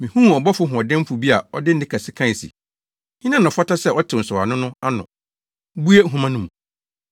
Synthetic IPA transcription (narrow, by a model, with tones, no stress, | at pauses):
mĩ˨hũ˦˨ɔ˨bɔ˦fʊ˦ɦʊ̃˨ɔ˨dɛ̃˦m˦fu˨bi˦a˨ɔ˦dɪ˦n̩˦dɪ̃˦kʰa˨sɪ˦kʰã˦˨sḭ˨ | hɪ̃˦nã˦nʊ̃˨fa˦ta˦sɛ˦ɔ˦tʰɪ˨n̩˨sɔ˨a̰˨nʊ̃˦nʊ̃˦a˦nʊ̰̃˨ | bu˦e˦˨ɦũ˦mã˦nʊ̃˦mũ˨